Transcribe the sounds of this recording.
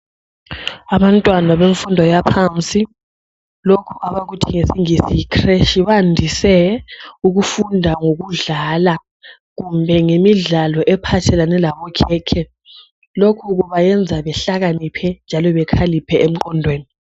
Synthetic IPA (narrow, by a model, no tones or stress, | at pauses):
aβantʼwanaβeɱfundʱɔjapʰant͡sʼi | lokʰuʔaβaɣutʰiŋesiŋisijikʰreʃiβandʱisɛuɣufundʱaŋoɣuɮala | ɣumbʱɛŋemiɮalɔʔɛpʰatʰɛlanɛlaβɔkʰɛːkʰɛ | lokʰuɣuβajɛnd͡zʱaβɛɬaɣanipʰɛnd͡ʒʱalɔβɛkʰalipʰɛem̩ǃʼɔndʱweːni